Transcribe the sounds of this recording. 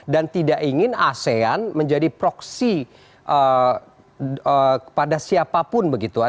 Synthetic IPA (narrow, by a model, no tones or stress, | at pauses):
dant̪idaʔiŋɪnaseanməɲd͡ʒadipɾɔksi | ʔə | əəpadasiapapʊnbəɡit̪ua